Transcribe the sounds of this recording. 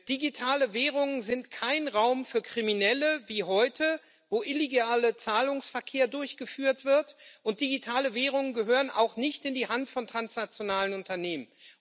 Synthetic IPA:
d̥iɡitʰaːləvɛːʁ̞ʊŋənzɪntkʰaɪnʁaʊmfyːɐkʁ̥iminɛləviːɦɔʏtʰə | voːʔɪleɡaːlət͡saːlʊŋsfɛɐkʰeːɐdʊɐçɡ̥əfyːɐtv̥ɪɐtʔʊnt̚d̥iɡitʰaːləvɛːʁ̞ʊŋənɡəɦøːʁənʔa̰ʊxnɪçtɪndiːhantfɔntʁ̥ansnat͡sjonaːlənʊntɐneːmən

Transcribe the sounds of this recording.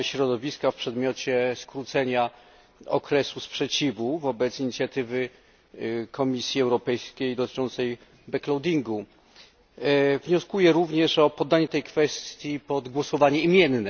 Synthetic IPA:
ɕɾɔd̪ɔvʲiskafpʂɛd̪mʲjɔt͡ɕɛskɾut̪sɛɲa | ɔ̰kɾɛsuspʂɛt͡ɕivuvɔbɛt̪siɲit̪sʲjat̪ɘvɘ | kɔmʲisʲjiɛwɾɔpɛjskʲejd̪ɔt̪ɘ̥t͡ʂɔnt̪sɛj | bɛklɔwd̪ʲiŋɡu | vɲɔskujɛɾuvɲɛʂɔpɔd̪ːaɲɛt̪ɛjkfɛst̪t̪ʲjipɔd̪ɡwɔsɔvaɲɛimʲjɛnːɛ

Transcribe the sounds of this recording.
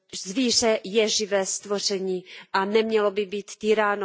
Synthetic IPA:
zviːr̝ɛjɛʒɪvɛːst̪vo̞r̝ɛɲiːʔanɛmɲɛlobɪbiːt̪t̪iːɾaːno

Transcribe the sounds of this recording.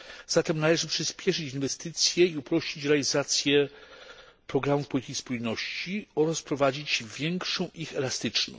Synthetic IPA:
z̥at̪ɛmnalɛʐɘpʂɘspʲjɛʂɘt͡ɕinvɛst̪ɘt̪sʲjɛiupɾɔɕt͡ɕit͡ɕɾɛalʲizat̪sʲjɛ | pɾɔɡɾamufpɔlʲit̪ɘkʲispujnɔɕt͡ɕiɔɾaspɾɔvad͡ʑit͡ɕvʲjɛŋkʂɔ̃w̃ʔixɛlast̪ɘt͡ʂnɔ̰̃

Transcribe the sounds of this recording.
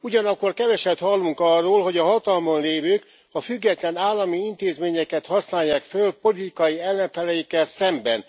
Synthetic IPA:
uɟɒnɒkːo̞rkɛvɛʃɛt̪hɒlːuŋkɒrːoːlɦo̞ɟɒɦɒt̪ɒlmonleːvøːk | ɒfyɡːɛt̪lɛnaːlːɒmiint̪eːzmeːɲɛkɛt̪hɒsnaːjːaːkfølpo̞lit̪ikɒjiɛlːɛɱfɛlɛjikːɛlsɛmbɛn

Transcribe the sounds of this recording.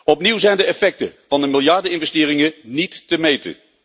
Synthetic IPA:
ɔpniwzɛjndəɛfɛk̚tə̰v̥ɑndəmɪlˠjɑɹdəɪnvɛstɪːɾɪŋənitːəmejtə̰

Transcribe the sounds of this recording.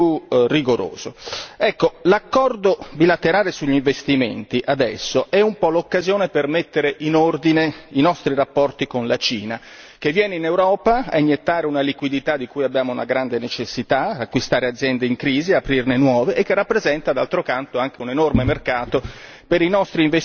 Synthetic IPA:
urːiɡoɾo̰ːz̥oɛkːolakːɔrd̪obilat̪eɾaːlesuʎːiɱvest̪imḛnt̪iʔad̪ɛsːoʔɛumpɔlokːazjoːnepermet̪ːeɾeʔinord̪ineinɔst̪ɾiɾapːɔrt̪ikonlat͡ʃiːna | k̟evːjɛːneinewɾɔːpaa̰iɲːet̪ːaːɾeunalikwid̪it̪ad̪ikujabːjaːmouna̰ɡɾand̪enet͡ʃesːit̪aakːwist̪aːɾead̪zjɛnd̪eiŋkɾiːziapɾirnenwɔːveʔekːerːapːɾezɛnt̪ad̪alt̪ɾokant̪oaŋk̟eunenormemerkaːt̪o | peɾinɔst̪ɾiːɱve

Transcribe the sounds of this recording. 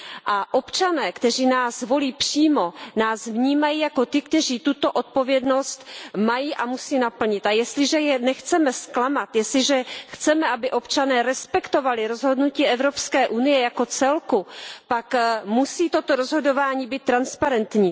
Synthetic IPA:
ʔaʔo̞pt͡ʃanɛːkt̪ɛr̝iːnaːsvo̞liːpr̥iːmo̞naːsvɲiːmajiːjako̞t̪ɪkt̪ɛr̝iːt̪ut̪o̞ʔo̞t̪̚po̞vjɛdno̞st̪majiʔamusiːnapl̩ɲɪt̪ʔajɛst̪lɪʒɛjɛnɛxt͡sɛmɛsklamat̪jɛst̪lɪʒɛxt͡sɛmɛʔabɪʔo̞pt͡ʃanɛːɾɛspɛkt̪o̞valɪɾo̞zɦo̞dnuciːɛvɾo̞pskɛːʔunɪjɛjako̞t͡sɛlkupakmusiːt̪o̞t̪o̞ɾozɦo̞dovaːɲiːbiːt̪ːɾanspaɾɛnt̪ɲiː

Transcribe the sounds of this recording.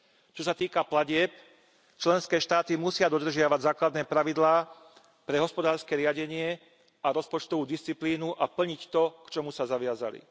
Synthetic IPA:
t͡ʃɔsat̪iːkaplaɟɪɛp | t͡ʃlɛnskɛːʃt̪aːt̪imusɪad̪ɔd̪r̩ʒɪaʋaɟzaːklad̪nɛːpɾaʋid̪laː | pɾɛɦɔspɔd̪aːɾskɛːɾɪaɟɛɲɪɛ | aɾɔspɔt͡ʃt̪ɔʋuːd̪ist͡sipliːnuʔapl̩ɲict̪ɔkt͡ʃɔmusazaʋɪaza̰lḭ

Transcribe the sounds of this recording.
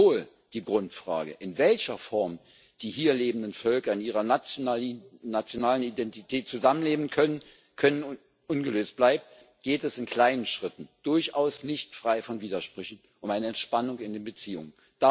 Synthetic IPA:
oːl | d̥iːɡʁʊntfʁ̥a̰ːɡə̰ʔɪnvɛlçɐfɔɐm | d̥iːɦiːɐleːbn̩dənfœlkɐɪniːʁɐ | nat͡sjonaːlənidɛntitʰɛːt̚t͡suzamənleːbən̩kʰœnən | kʰœnən | ʔʊnɡəløːst̚b̥laɪp̚t | ɡ̥eːtɛsɪnkʰl̥aɪnənʃʁ̥ɪtn̩d̥ʊɐçʔaʊsnɪçtfʁ̥aɪfɔnviːdɐʃpʁ̥ʏçn̩ | ʔʊmaɪnəɛntʃpanʊŋɪndeːnbət͡siːʊ̰ŋən | d̥a

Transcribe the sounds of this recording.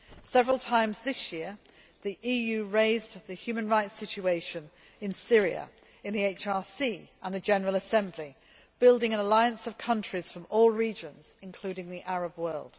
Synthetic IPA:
sɛvɹəlˠtʰãɪ̃mzðɪsjɪə | ðiʔiːjʉːɹeɪzðɨhjʉmə̃nɹaɪtsɪt͡ʃueɪʃə̃n | ɪ̃nsɪɹiə̰ | ɨ̃nðieɪt͡ʃɑɹsiʔə̃nðəd͡ʒɛnəɹəlˠəsɛ̃mbli | b̥ɪlˠdɪ̃ŋə̃nəlaɪə̃nsəv̥kʰʌ̃nt͡ʃɹ̥iz̥fɹə̃mɔːlˠɹiːd͡ʒə̃nz̥ɪ̃nkʰl̥ʉːɾɪ̃ŋðiʔaɹəbwɜ˞lˠd̥

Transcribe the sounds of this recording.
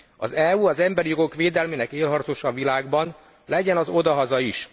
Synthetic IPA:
ɒ̰zɛuɒzɛmbɛɾijo̞ɡokʋeːd̪ɛlmeːnɛkeːlɦɒrt̪oʃɒvilaːɡbɒn | lɛɟɛnɒzo̞d̪ɒɦɒzɒiʃ

